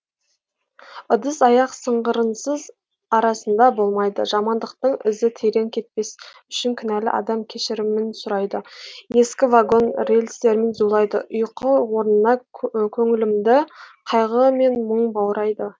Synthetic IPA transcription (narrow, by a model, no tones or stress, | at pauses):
ʊd̪əsɑjɑqsəɴʁəɾənsəz | ɑɾɑsənd̪ɑbo̞lˠmɑjd̪ə̰ʒɑmɑnd̪əq̚t̪əɴɪzɪt̪ʰe̞ɾe̞ŋkʲʰe̞t̪̚pe̞s | ʏʃɪŋkʲʰʏnælɪ̰ʔɑ̰d̪ɑmkʲʰe̞ʃɪɾɪmɪnsʊɾɑjd̪əe̞skʲɪvaɡo̞nrelʲst̪e̞ɾɪmenzulˠɑjd̪ə̰ʔʊjqəwo̞ɾənənɑkʲʰɵŋɪlɪmd̪ɪqʰɑjʁəme̞nməɴbɑwɾɑjd̪ə